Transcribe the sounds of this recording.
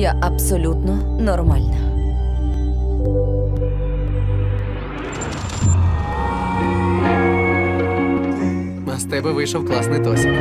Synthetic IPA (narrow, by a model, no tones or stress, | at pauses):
jaʔɐbsɔlʲut̪nɔnɔrmalʲnɐ | ɐst̪ɛbɛʋɪjʃɔwklˠɑsnɪjt̪ɔsʲk